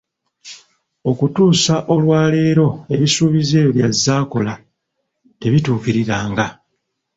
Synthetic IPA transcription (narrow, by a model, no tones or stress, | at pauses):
o̞kutuːsaʔo̞lwaːle̞ːɾo̞e̞βisuːβize̞ːjoβjazːaːko̞la | te̞βituːkiɾiɾaːŋɡa